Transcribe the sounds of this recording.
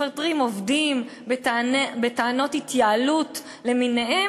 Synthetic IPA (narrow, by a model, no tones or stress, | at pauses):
eʁtʁimovdimbbetaano̞thitjaalut | le̞minehe